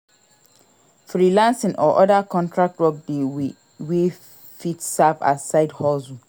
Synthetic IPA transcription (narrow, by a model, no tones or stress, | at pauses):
fɾilãnsɪ̃nʔɔʔɔdakʰɔ̃ntʰɹak̚tɹɔk̚de | we | fitsava̰saɪdhɔlzu